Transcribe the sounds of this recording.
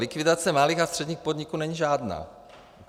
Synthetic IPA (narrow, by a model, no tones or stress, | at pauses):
lɪkvɪdat͡sɛmaliːxast̪r̝̥ɛdɲiːxpod̪ɲikuːnɛɲiʒaːdna̰ː